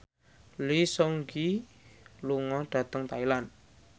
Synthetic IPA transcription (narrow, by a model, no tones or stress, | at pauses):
lisɔŋɡi | luŋɔɖ̪̥ä̤t̪əŋt̪ailan